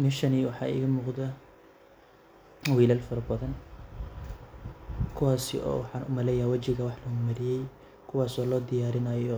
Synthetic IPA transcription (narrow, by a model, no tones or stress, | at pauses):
mɪʃɐniːwɑħɑ̰ːɪ̰ɣɐmuːqd̪ɐ | wiːlɐlfɐɾɐbɐðɐn | kʰʊwaːsɪ̰ʔɔ̰ːwħɑːnʊ̰mɐlɛːjawɐt͡ʃɪɣɐwɑħlɐɣʊmɐɾɪjɛj | kʰʊwɑːsɔːlɔːd̪ɪjaːɾɪnɐjɔ